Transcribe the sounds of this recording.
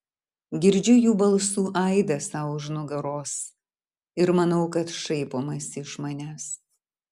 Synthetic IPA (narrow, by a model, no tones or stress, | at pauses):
ɡʲɪɾʲd͡ʒʲʊjuːbɐlˠsuːʔɐɪd̪ɐsɐʊʒnʊɡɐɾoːs | ɪɾmɐnɐʊkɐt̪ʃɐɪpoːmɐsɪʃmɐnʲæs